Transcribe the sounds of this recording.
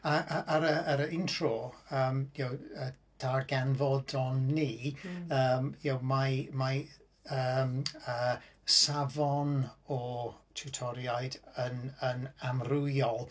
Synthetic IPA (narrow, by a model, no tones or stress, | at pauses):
aaʔaɾəːɾəɪntʰrɔəːmjowə | d̥arɡɛnvɔdɔnːiːəːmjowmajmaj | əməsavɔnɔtʰutʰɔɾjajdənənamrʊɔlˠ